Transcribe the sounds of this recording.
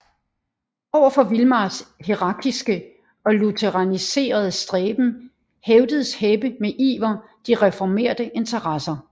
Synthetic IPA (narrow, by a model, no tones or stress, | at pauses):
ɒʊ̰ɐfɒ̽ʋilmɑ̈ːshiʁɑ̈ːɡ̥isɡ̥ə | ɒ̽lut͡sʰeʁɑ̈nise̝̰ːɐð̞ˠəsd̥ʁɛːb̥n̩ | heʊd̥əð̞̩ˠəsheb̥əmeʔḭːʋɐ | d̥iʁɛfɒme̝̰ːɐd̥əʔe̝nt͡sʰɐʁɑsɐ